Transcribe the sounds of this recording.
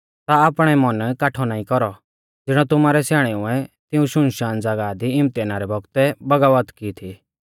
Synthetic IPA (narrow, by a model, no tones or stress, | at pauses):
t̪aːpɽ̃ɛmɔnkaːʈʰɔnaːĩkɔɾɔ | d͡zɪɽ̃ɔt̪ʊmaːɾɛsjaːɽ̃ɛʊɛ̃t̪ɪũʃʊ̃nʃaːnd͡zɐɡad̪iɪmt̪anaɾɛbɔɡt̪ɛbɐɡaʋət̪kit̪ʰi